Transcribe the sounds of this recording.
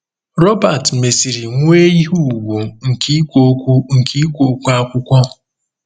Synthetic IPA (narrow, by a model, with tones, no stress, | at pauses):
ɾɔ˦ba˨tme˨si˨ɾi˨ŋʷ˦e˦i˦ɦu˦˨ɡʷu˨ŋ̩˨ki˦kʷo˦kʷu˦ŋ̩˨ki˦kʷo˦kʷu˦a˦kʷʊ˦kʷɔ˦